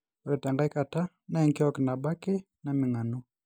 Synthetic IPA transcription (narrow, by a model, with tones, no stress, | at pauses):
ɾɛ˨ta˨ŋɡa˦jka˨ta˦ | na˦ɛŋkɪ˦ɔkna˨ba˦kɪ˦ | na˨mɪ˨ŋa˨nu˦